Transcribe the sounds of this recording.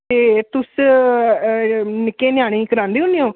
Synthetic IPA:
eːt̪ʊs | nɪkːeːnɪjaːɽ̃ĩːkəɾãːnd̪eːɦʊnd̪eõː

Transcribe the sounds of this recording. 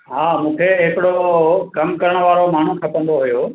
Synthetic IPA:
ɦaːmũːkʰeɦɪkɪɽokɐmkɐɾəɽ̃ʋaːɾomaːɳ̤ũt̪ʰɐpə̃nd̪oɦujoː

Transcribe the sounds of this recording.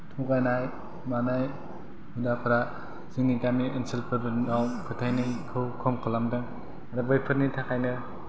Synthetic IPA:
tʰuɡajnaj | manaj | mundapʰɯɾa | z̥iŋniɡamiɯnsilpʰɯɾbɯnawkʰɯtʰajnɯjkʰɯwkʰɔmkʰɯlamdɯŋ | adɯbɯjpʰɯt̚nitʰakʰajnɯ

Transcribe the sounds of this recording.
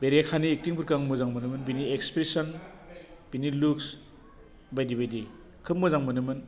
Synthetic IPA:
beɾakʰaniːk̚tiŋpʰɯɾkaŋmuzaŋmɯnɯmɯnbiniekspɾesɔn | b̥iniluks | bajdibajdi | kʰɯmːuzaŋmɯnɯmɯn

